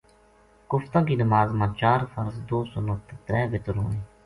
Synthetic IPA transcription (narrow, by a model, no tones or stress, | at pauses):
kʊft̪ãːkiːnəmaːzmãːt͡ʃaːɾfəɾzd̪oːsʊnət̪t̪ɾɛːʋɪt̪ɾoːneː